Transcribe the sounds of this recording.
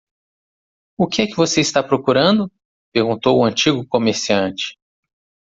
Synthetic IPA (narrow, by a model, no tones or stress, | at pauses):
ʊkɪɛkɪvoseist̪apɾokuɾɐ̃nd̪ʊ | peɾɡũnt̪owʊɐ̃nt͡ʃiɡʊkomeɾsiɐ̃t͡ʃɪ̥